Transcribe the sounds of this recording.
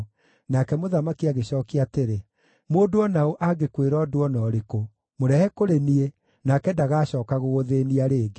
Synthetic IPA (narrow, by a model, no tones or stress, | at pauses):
nakɛmoðamakiaɣeɕɔːkiateɾe | moːndoɔnaoʔaɡekweɾɔdwɔnɔɾeko | moɾɛhɛkoɾenie | nakɛdaɣaːɕɔːkaɣoɣoðeːniaɾeːɡe